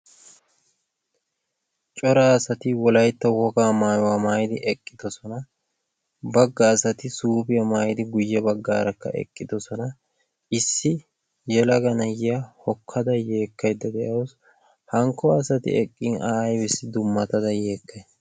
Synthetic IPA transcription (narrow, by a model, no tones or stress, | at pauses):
t͡ʃʼɔɾasɐt̪ɪwɔlɐjt̪ːɐwɔɡaːmaːjwaːmaːjd̪ɪʔɛkʼːɪd̪̥ɔsɔnɐ | bɐɡːaːsɐt̪ɪsuːbɪjɐmaːjd̪ɪɡʊjːɛbɐɡːa̰ːɾɐkːɐ̰ʔɛ̰kʼːɪd̪ɔsɔnɐ | ʔɪsːɪ | jɛlɐɡɐnɐjɪjɐhɔkʰːɐd̪ɐje̞ːkʰːɐjd̪ːɐd̪ɛʔɐws | hɐŋkːɔɐsɐt̪ɪ̰ɛkʼːinʔaːjbɪsːɪd̪ʊmːɐt̪ɐd̪ɐje̞ːkːɐj